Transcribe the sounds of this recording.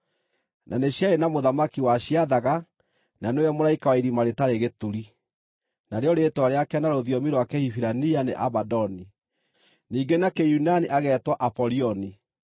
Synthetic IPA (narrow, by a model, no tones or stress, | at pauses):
nʔaneɕaenamoðamakiwaɕiaðaɣa | nanewɛmoɾaikawaiɾimaɾetaɾeɣetuɾi | naɾeɔɾetwaɾeakanaɾoðjɔmiɾwakɛhifiɾanianeʔabadɔni | niːɡenakejunaniʔaɣɛtwaʔapɔɾiɔni